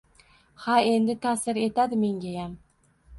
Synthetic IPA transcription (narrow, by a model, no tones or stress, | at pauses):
hae̞nd̪ɪt̪ʰasɪɾe̞t̪ad̪ɪme̞ŋɡʲajam